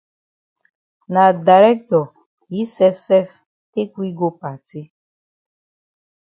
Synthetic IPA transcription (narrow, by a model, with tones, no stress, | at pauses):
na˨da˨ɾɛ˦k̚tɔ˨ | ji˦sɛ˦fsɛ˦f | te˦kwi˦ɡo˦pa˨ti˦